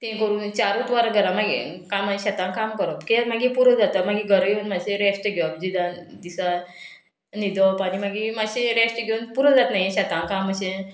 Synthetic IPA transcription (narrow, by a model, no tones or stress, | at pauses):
t̪ẽkəɾuːnt͡ɕaɾũt̪ʋaɾɡəɾãmaɡḭkamaɕat̪ãŋkamkəɾɔt̪kemaɡipuɾəd͡zat̪amaɡiɡʱəɾɡeunmaseɾesʈɡʱbd͡ʑid̪and̪isa | nid̪ɔpañimaɡimaɕeɾesʈɡʱewnpuɾəd͡zat̪naijeɕat̪ãŋkaməɕẽ